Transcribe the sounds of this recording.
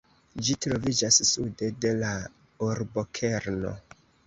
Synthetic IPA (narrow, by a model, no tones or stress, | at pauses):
d͡ʒitɾo̞vid͡ʒasːude̞de̞la | oɾbo̞kʰeɾno̞̰